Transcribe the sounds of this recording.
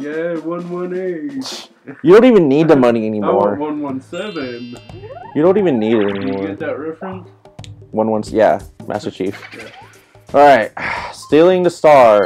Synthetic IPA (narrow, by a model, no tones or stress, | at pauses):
jæwʌ̃nwʌ̃ne | jɨdõʊ̃ntivɨ̃nːid̪̚ðəmʌniɛnimɔɹʌ̃nwʌ̃nsɛvɨ̃njɨɾõʊ̃ntivɨ̃nːiɾɨɾɛnimɔɹɨt̚ɹɛfɹɨ̃n | wʌ̃nwʌ̃nsjæ̰mʔæ̰stə˞t͡ʃʰif | ʔɑɹaɪt̚stilˠɪ̃ŋðɨstɑɹ